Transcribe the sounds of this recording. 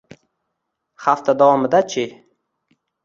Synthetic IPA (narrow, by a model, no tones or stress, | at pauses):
haft̪ʰad̪avɒmɪd̪at͡ʃʰɪ